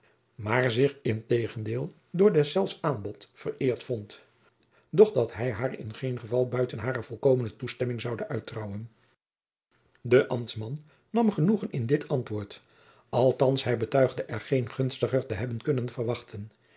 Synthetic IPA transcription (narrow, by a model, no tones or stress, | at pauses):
maːɹzɪχɪntejχəndɪːlˠ | dʊːɹdɛsɛlˠfsaːnbɔtfərɪːɹtfɔnt | dɔχdɑtɦɛjɦaːɹɪ̰nχejnχəvɑlˠbœɥtənɦaːrəv̥ɔlˠkoːwmənətustɛmɪŋzɑwdəœɥtrɑwən | dəʔɑmtsmɑnː | ɑmχənuχənɪndɪtɑntʋʊːɹt | ɑlˠtɑnsɦɛjbətœɥχdəʔɛɹχejnχɵnstəχəɹtəɦɛbənkɵnənv̥əɹʋɑχtʰən